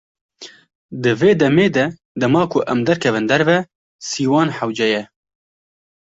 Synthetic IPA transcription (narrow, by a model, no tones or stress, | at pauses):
d̪ɨveːd̪ɛmeːd̪ɛ | d̪ɛmɑːkʰʊʔɛmd̪ɛɾkʰɛvɨnd̪ɛɾvɛ | siːwɑːnħawd͡ʒɛjɛ